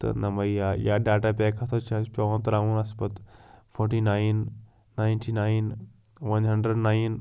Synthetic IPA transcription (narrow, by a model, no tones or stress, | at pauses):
t̪ɐ̰nɐmɐajaːɖaːʈapʲekʰɐt̪ʰot͡ʃʰaspʲoʋɐnt̪ɐɾaũnɐspɐt̪fʰoːɾʈinajnː | ajnʈʰinaːjn | ʋɐnɦɐɳɖɾəɖnaːin